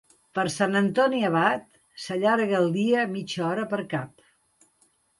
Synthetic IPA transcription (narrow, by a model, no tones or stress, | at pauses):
pəɾsanənt̪ɔniəβat̪ | səʎaɾɣəlˠd̪iəmit͡ʃɔɾəpəɾkap̚